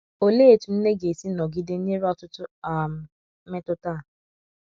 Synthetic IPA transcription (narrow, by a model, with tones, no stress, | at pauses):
o˦leː˦˨tu˨n̩˦ne˦ɡe˨si˦nɔ˨ɡi˦de˦n̩˦ɲe˦ɾɔ˦tʊ˦tʊ˦a˨m̩˨˦ | me˦tʊ˦taː˦˨